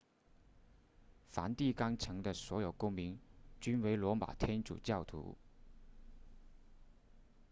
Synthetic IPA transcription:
fa̰˧˥nt̪i˥˩kɑ˥ŋt͡sʰɤ˧˥ŋd̪ə˧swɔ˧˥jo˨˩ʊkʊ˥ŋmi˧˥ŋt͡ɕy˥nwe˧˥ɪlwɔ˧˥ma̰˨˩t̪ʰjɛ˥nʈ͡ʂṵ˨˩t͡ɕjɑ˥˩ʊt̪ʰṵ˧˥

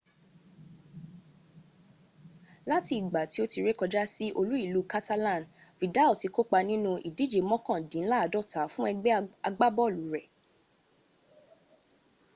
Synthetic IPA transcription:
la˦ti˧i˨ɡ͡ba˨ti˨˦o˦ti˧ɾe˦kɔ˧d͡ʒa˦si˦ʔo˧lu˦i˦˨lu˨˦ka˦ta˦lã˦˨nvi˨da˦˨ti˨˧ko˦k͡pa˧nĩ˦nũ˧ʔi˨di˨˦d͡ʒe˨mɔ̃˦kɔ̃˦˨dĩ˨˦n̩˦la˦˨˧dɔ˦˨ta˨˦fũ˦ɛ˧ɡ͡bɛ˦a˧ɡ͡ba˦bɔ˦˨lu˨˦ɾɛ˨

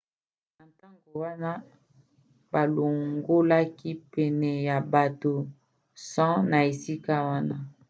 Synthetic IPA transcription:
na˨nta˦ŋɡo˨wa˦na˦ | ba˨lo˨ŋɡo˦la˦ki˦pɛ˨nɛ˨ja˨ba˨to˨ | sã˦na˨e˨si˦ka˦wa˦na˦

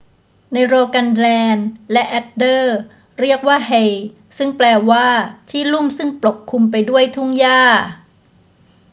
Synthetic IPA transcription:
na˧jɾoː˧ka˧nlɛː˧nlɛ˦˥ʔɛ˦˥t̪̚dɤː˥˩ | ɾi˥˩ək̚waː˥˩ɦe˧j | sɯ˥˩ŋplɛː˧waː˥˩t̪ʰiː˥˩lu˥˩msɯ˥˩ŋplo˨˩kʰːu˧mpa˧jdu˥˩əjt̪ʰu˥˩ŋjaː˥˩

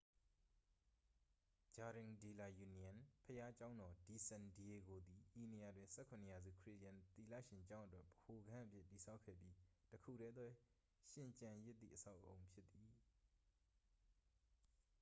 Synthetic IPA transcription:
d͡ʑa˨ɾɪ̃˨ŋdi˨la˨ju˨ni˨ã˨npʰəja˦t͡ɕã˦ʊ̃ndɔ˨di˨sɛ̃˨ndi˨e˨ɡo˨d̪i˨ji˨ne˨ja˨dwɪ̃˨nsʰɛ˦kʰʊ̃˨nəja˨zṵ˦˨kʰɹi˦˨ɾjã˨nt̪i˨lä̰˦˨ʃɪ̃˨ɲt͡ɕã˦ʊ̃ʔə˦twɛ˦ʔb̥ə̥ho˨ɡã˦ʔə˦pʰjɪ˦ʔti˨sʰa˦ʊʔkʰːɛ̰˦˨bji˦təkʰṵ˦˨ɾɛ˦d̪wɛ˦ | ʃɪ̃˨ɲt͡ɕã˨jɪ˦t̪ːðḭ˦˨ʔəsʰa˦ʊʔõ˨ʊ̃mpʰjɪ˦t̪ːi˨

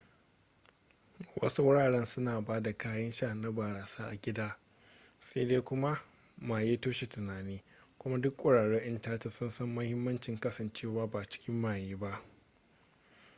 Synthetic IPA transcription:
wʔɐ̰˦su˦wʊ˦ɽaː˨ɽɛ˦nsʊ˦naː˨baː˦da˨kaː˦jɐ˦nʃaː˦˨na˦baː˨ɽaː˨saː˦ʔa˨ɡʲɪ˦daː˦ | se˦deː˦kʷʊ˦ma˦ | maː˨jeː˦toː˦ʃe˨tʊ˨naː˨neː˦ | kʷʊ˦ma˦dʊ˦kʷʼʊ˨ɽaː˨ɽeː˦ʔɪ˦ntaː˦ta˨sʊ˦nsɐ˦mːɐ˦hɪ˦mːɐ˦nt͡ʃɪ˨ŋkɐ˦sɐ˨nt͡ʃeː˦˨waː˦baː˨t͡ʃɪ̥˦kʲɪ˦mːaː˨jeː˦ba˦ʔ

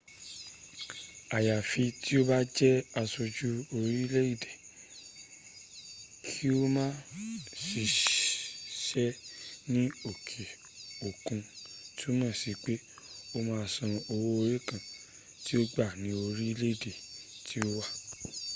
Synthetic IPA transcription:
a˨ja˨fi˧tʰi˦o˦ba˦d͡ʒɛ˦a˧so˧d͡ʒu˦o˧ɾi˦le˦i˦˨de˨ | kʰi˦o˦mãː˦si˨˧˦ | ʃɛ˦nĩ˦o˨kʰe˨ | o˨kũ˧ti˦o˦mãː˦˨si˨˧k͡pe˦ | o˦mãː˨˦˧sɔ̃˧o˧wo˦˧ɾe˦kã˨ | ti˦o˦ɡ͡ba˦˨nĩ˨˦o˧ɾi˦le˦i˦˨de˨tʰi˨˦o˦wa˦˨

